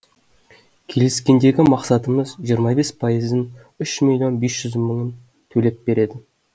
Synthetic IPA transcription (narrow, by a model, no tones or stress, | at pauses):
kʲʰe̞lɪskʲe̞nd̪e̞ɡʲɪmɑqsɑt̪əməzʒijəɾmɑbe̞spʰɑjəzən | ʏʃmʲilʲjo̞nbe̞sʒ̥ʏzməɴən | t̪ʰɵle̞pbe̞ɾe̞d̪ɪ